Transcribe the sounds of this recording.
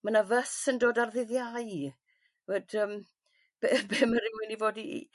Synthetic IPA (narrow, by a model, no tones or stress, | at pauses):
manavəsəndoːdarðɪðjaj | vədəːm | b̥ebeːməɾɪwɪnivoːdḭ